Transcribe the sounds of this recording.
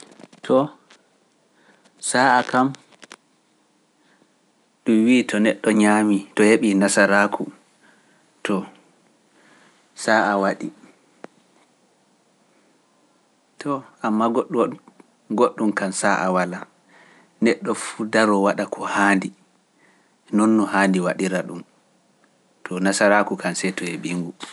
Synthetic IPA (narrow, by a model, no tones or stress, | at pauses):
tʰɔ | saakam | ɗumwiːtʰɔnɛɗːɔɲaːmitɔheɓinasaɾakʰu | tʰɔ | saːʔawaɗi | tʰɔamːaɡoɗ | ɡoɗːumkansaʔa̰wala | nɛɗːɔfudaɾɔwaɗakʰɔhaːndi | nɔnːɔhandiwaɗiɾaɗum | tʰɔnasaɾakukʰansɛjtɔheɓiŋɡu